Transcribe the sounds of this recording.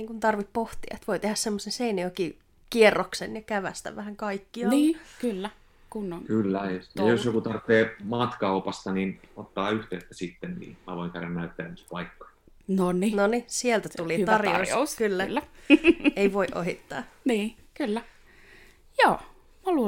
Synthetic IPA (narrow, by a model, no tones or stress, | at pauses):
niːŋkunt̪ɑrʋippoht̪iɑ̰et̪ʋoit̪ehæssemːosenseineoki | kierːoksenjɑkæʋæst̪æ̰ʋæhæŋkɑikːiɑnniːkylːæ | kunːoŋkylːæjɑjosjokut̪ɑrt̪ːeːmɑːt̪kɑupɑst̪ɑninot̪ːɑːyht̪eːt̪ːæ̥sit̪ːennḭːmæʋoiŋkærænnæyt̪ːeæspɑikːɑ̥ | noninonisielt̪æt̪uliɑrjoiskylːælːæ | eiʋoiʔo̰hit̪ːɑ̰ːniːkylːæ | joː | mɑlu